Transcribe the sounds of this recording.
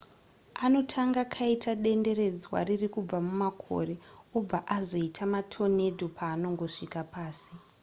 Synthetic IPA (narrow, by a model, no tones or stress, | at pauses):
ano̞tʰaŋɡakʰaitʰaɗe̞nde̞ɾe̞d͡zwa̰ririkub͡vamumakʰo̞̰re̞ob͡vaʔazo̞itʰamatʰo̞ne̞dʱopaːno̞ŋɡo̞ʂikapaːsi̥